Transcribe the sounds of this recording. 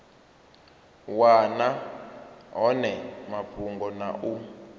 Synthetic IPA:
wana | ɦɔnɛmapʰuŋɡɔna̰ʔu

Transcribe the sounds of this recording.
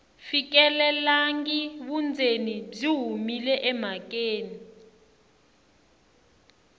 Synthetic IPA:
fik̬ɛlɛlaŋɡiɓund͡zʱenib͡ʐiɦumilɛʔɛm̤ak̬ʼeːni

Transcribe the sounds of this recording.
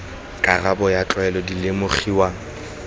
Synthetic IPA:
kʼarabɔjat͡ɬʼwɛlɔdilemʊχiwa

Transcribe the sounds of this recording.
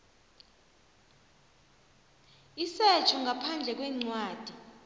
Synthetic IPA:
isɛt͡ʃʰɔŋɡʱapʰand͡ɮʱɛk̬wɛŋ͡ǀwaːd̥ʱi

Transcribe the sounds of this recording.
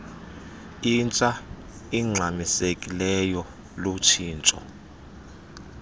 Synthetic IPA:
int͡ʃʼa | iŋ͡ǀʱamisekʼilɛjɔ | lot͡ʃʰiːnt͡ʃʼɔ̰

